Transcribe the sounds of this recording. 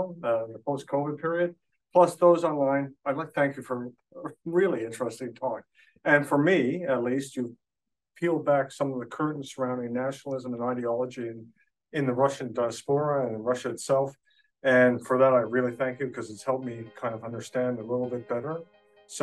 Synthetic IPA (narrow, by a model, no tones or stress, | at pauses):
əpʰoʊskʰoʊvɨd̚pʰɪɹiɨd̚ | pʰl̥ʌsðoʊzɑ̃nlãɪ̃naɪdˡlaɪk̚θæ̃ŋkjɨfə˞ | ɹɪlˠiɪ̃nt͡ʃɹ̥ɛstɪ̃ŋtʰɔk̚ | ɨ̃nfə˞miɨtˡlistjɨ | pʰilˠd̚bæksʌ̃mʌvðɨkʰɜ˞ʔn̩sə˞ãʊ̃ndɪ̃ŋnæʃnl̩ˠɪzə̃mə̃naɪɾiɑlˠəd͡ʒiɨ̃n | ɨ̃nðɨɹʌʃɨ̃ndaɪɨspɔɹəɨ̃nɨ̃nɹʌʃɨɨtsɛlˠf | ɨ̃nfə˞ðəɾaɪɹɪlˠiθæ̃ŋkjɨkʰʌzɨtshɛlˠp̚mikʰãɪ̃ndʌvʌ̃ndə˞stæ̃ndəlɪɾl̩ˠbɪt̚b̥ɛɾə˞ | s